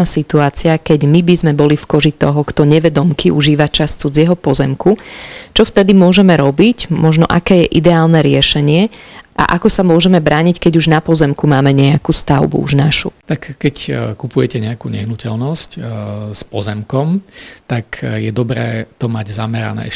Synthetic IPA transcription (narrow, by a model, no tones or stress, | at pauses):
asit̪uaːt͡siakɛɟmibizmɛbɔlifkɔʒit̪ɔɦɔkt̪ɔɲɛʋɛd̪ɔmkʰiuʒiːʋat͡ʃast͡sud͡zɪɛɦɔpɔzɛmkut͡ʃɔft̪ɛd̪imʊɔʒɛmɛɾɔbicmɔʒnɔ̰ʔakɛːjɛʔid̪ɛaːlnɛɾɪɛʃɛɲɪɛʔa̰ʔakɔsamʊɔʒɛmɛbɾʔaːɲickɛɟuʒnapɔzɛmkumaːmɛɲɛakust̪aʊbṵṵʒnaʃṵt̪akːɛckupujɛcɛɲɛakuɲɛ̰ɦnucɛlnɔscspɔ̰zɛmkɔmt̪akjɛd̪ɔbɾɛːt̪ɔmaɟzamɛɾa̰nɛ̰ː